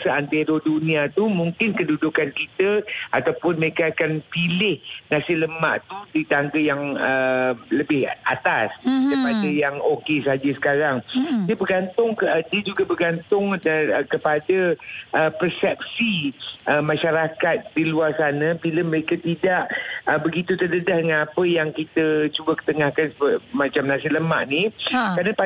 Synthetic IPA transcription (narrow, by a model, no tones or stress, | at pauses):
saant̪eɾodunĩat̪umũŋkɪnkədudʊkankit̪əat̪awpʊnməɾekaakanpilɪhnasɪləma̰ʔt̪udit̪aŋɡəjaŋələbɪhʔa̰t̪askəpadəjaŋokesad͡ʒəsə̥kaɾaŋdiəbərɡant̪ʊŋdiəd͡ʒuɡabərɡant̪ʊŋdaəkəpadəʔəpərsɛp̚siʔəmãʃaɾakat̪̚diluarsanãbiləməɾekat̪idaʔəbəɡit̪ut̪ələdahdəŋanapəjaŋkit̪ət͡ʃubəkə̥t̪əŋahkansbmat͡ʃamnãsiləma̰ʔnikanəpa